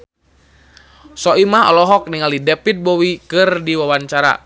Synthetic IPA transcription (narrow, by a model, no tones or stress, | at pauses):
sɔʔimaɦɔ̰lɔɦɔk̚niŋalidɛpit̪̚bɔwikɨrdiwawaɲt͡ʃaɾa̰